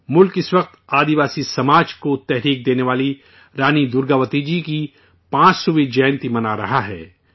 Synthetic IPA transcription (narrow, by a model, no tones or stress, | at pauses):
mʊlkɪswɐq̚t̪aːd̪iʋaːsisɐmaːd͡ʒkot̪ɛɦɾiːk̚d̪eːneʋaːli | ɾaːnid̪ʊɾɡaːʋət̪id͡ʒiki | pãːt͡ʃsuʋed͡ʒɛːnt̪imɐnaːɾɐɦaɦɛ̰ː